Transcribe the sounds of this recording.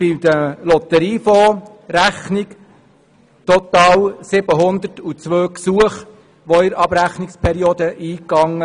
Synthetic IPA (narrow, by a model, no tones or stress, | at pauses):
fid̪əlɔt̪əɾiːfɔː | ɾæχnik | t̪ɔt̪ɑːwsɪb̥əɦʊnd̪ətut͡sʋøːksuəχ | ʋɔɪɾɑbɾæχnɪkspʰɛɾiod̪əʔiːkːɑŋːə